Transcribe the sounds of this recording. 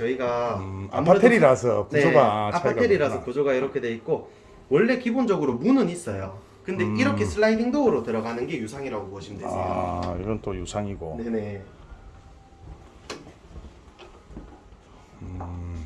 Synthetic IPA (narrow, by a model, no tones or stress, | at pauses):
t͡ɕʌiɡaa̰mʰatʰeɾiɾasʰʌpuneoɡaapʰatʰeɾiɾasʰʌkud͡ʑoɡaiɾʌkʰe̞de̞it̚k͈o | wʌɭːe̞kibond͡ʑʌɡɯɾomunɯnis͈ʌjo | kɯnde̞iɾʌkʰe̞sʰɯɭːlaidiŋdoɯɾotɯɾʌɡanɯnɡe̞jusʰaŋiɾaɡokoʌɕʰimdea̰ibont͈ojusʰaŋiɡo̰ne̞ne̞ | ɯ